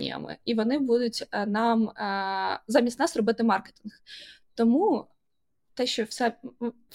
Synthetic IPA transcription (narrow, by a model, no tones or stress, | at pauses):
ḭjɐ̰mɪ̰iʋɔnɪbud̪ʊtʲənɑm | zɑmʲisʲtʲnɑsrɔbɪt̪ɪmɑrke̥t̪ʲinxt̪ɔmu | t̪ɛʃt͡ʃɔwsɛ